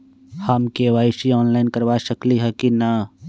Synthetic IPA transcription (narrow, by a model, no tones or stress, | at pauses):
hɐmkeːʋaːɪʃiɔːnlaːɪnkɐɾʋaʃəkliɦɛkina